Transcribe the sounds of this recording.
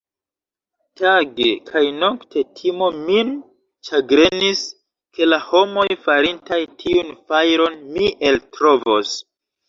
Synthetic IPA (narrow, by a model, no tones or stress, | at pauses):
taɡekʰajno̞ktʰe̞tʰimo̞min | t͡ʃaɡɾe̞nis | ke̞laho̞mo̞jfaɾintajtʰiunfajɾo̞nmiʔe̞ltɾo̞vo̞s